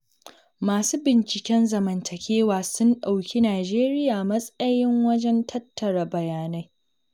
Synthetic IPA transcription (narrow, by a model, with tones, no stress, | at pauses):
maː˨suː˦bɪ˨nt͡ʃɪ˨kʲɛ˦nzɐ˨mɐ˨ntʰɐ˨kʲeː˦waː˨sʊ˦nɗa˨wkʲi˦naː˨d͡ʒeː˦ɾɪ˦jaː˨mɐ˦sʼɐ˦jɪ˦ŋwɐ˦d͡ʒɛ˦ntʰɐ˦tːɐ˨ɽɐ˨bɐ˨jaː˨na˦j